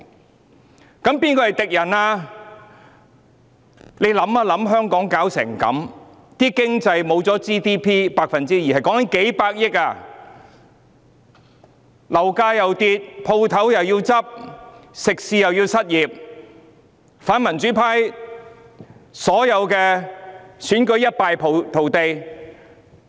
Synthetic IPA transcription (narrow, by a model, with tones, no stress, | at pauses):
kɐ˨˦˥mpiː˥nkɔː˧hjt̪ɪ˨k̚jɐ˨˩naː˧ | le˨˧jlɐ˨˥maː˧lɐ˨˧˥mɦœː˥ŋkɔː˨˥ŋkaː˨˥wsɪ̰˨˩ŋkɐ̰˨˥m | t̪iː˥kɪ˥ŋt͡sɐ˧jmo˨˧wt͡sɔː˨˥t͡siː˥t̪iː˥pʰiː˥paː˧k̚fɐ˨nt͡siː˥jiː˨hɐ˨jkɔː˨˥ŋkɐ˨˥nke˨˥jpaː˧k̚jɪ˥k̚aː˧ | lɐ˨˩wkaː˧jɐ˨wt̪iː˧t̚pʰo˧wt̪ʰɐ˨˥wjɐ˨wjiː˧wt͡sɐ˥p̚sɪ˨k̚siː˧jɐ˨wjiː˧wsɐ˥t̚jiː˨˩p̚ | faː˨˥nmɐ˨˩nt͡ʃyː˨˥pʰaː˥j | sɔː˨˥jɐ˨˧wkɛː˧ | syː˨˥nkɵ˨˥ɥjɐ˥t̚paː˧jpʰt̪ʰo˨˩wt̪e˧j